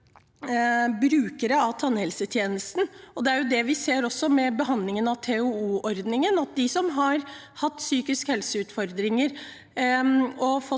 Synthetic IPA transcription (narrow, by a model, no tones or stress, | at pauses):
bɾʉːkəɾəɑʋt̪ʰɑnːhɛlsət̪ʰjeːnəst̪n̩ɔd̪ɛæɾjʊd̪ɛʋɪseːɾɔsɔmɛbəɦɑnd̪lɪŋənɑʋt̪ʰeʉuːʔɔɾd̪nɪŋənɑt̪̚d̪ɪsɔmɦɑɾ | hɑt̪ːsyːkɪskhɛlsəʉːt̪fɔɾd̪ɾɪŋəɾ | ɔfɔ